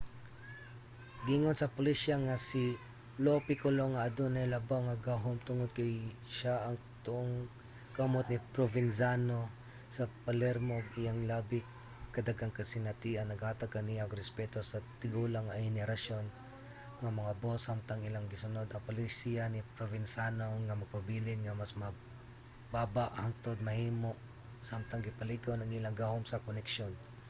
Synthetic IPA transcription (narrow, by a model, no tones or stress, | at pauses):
ɡiŋonsɐpʊlisaŋasi | lopɪkoloŋɐʔɐd̪onɛlɐbawŋɐɡaɦomt̪ʊŋod̪̚kɐjʃaʔɐŋ | t̪ʊʔoŋ | ɡɐmot̪̚nipɾovɪnsano | sɐpɐlɛɾmoɡɪjaŋlabɪ | kɐd̪ɐɡaŋkɐsɪnɐt̪iɐnɐɡaːt̪ɐɡ̚kɐnijaŋɾɛspɛt̪osɐt̪ɪɡulaŋɐjhɛnɛɾɐsjon | ŋɐmɐŋabosamt̪aŋɪlaŋɡɪsʊnod̪ɐŋpolisianɪpɾovɪnsanoŋɐmɐɡ̚pɐbiːlɪnŋɐmasmɐ | baːbaʔhaŋt̪od̪̚mɐhiːmoʔ | samt̪aŋɡɪpɐliɡawnɐŋɪlaŋɡahomsɐkonɛkʃon